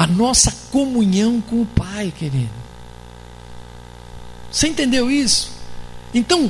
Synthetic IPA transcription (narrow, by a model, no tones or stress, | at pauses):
ɐnɔsɐkomũɲɐ̃w̃kõʊpajkeɾḭd̪ʊ | seẽnt̪ẽnd̪ewisʊ̥ẽnt̪ɐ̃w̃